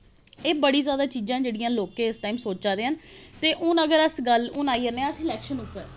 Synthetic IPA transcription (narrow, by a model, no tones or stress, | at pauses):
eːbəɽiːzjaːd̪aːt͡ʃiːzãːd͡ʒeːɽijãːloːkeːɪsʈaːimsoːd͡ʒaːd̪ẽːɦənt̪eːʔʊnəɡəɾəsɡəlʊnaːiːəɾneəsɪlɛːkʃənʊpːəɾ